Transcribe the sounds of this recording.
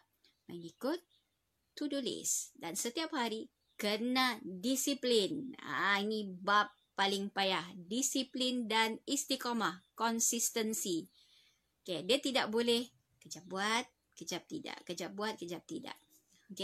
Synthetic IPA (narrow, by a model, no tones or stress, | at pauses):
maŋikʊt̪ː | udulḛsdansət̪iaphaɾi | kənadisiplina̰inĩbapːalɪŋpajahdisiplindanist̪ikomakɔnsist̪ənsi | okediat̪idaʔ̚bolɛh | kəd͡ʒap̚buat̪̚ | kəd͡ʒap̚t̪ida̰ʔkəd͡ʒap̚buat̪̚kəd͡ʒap̚t̪ida̰ʔ | oke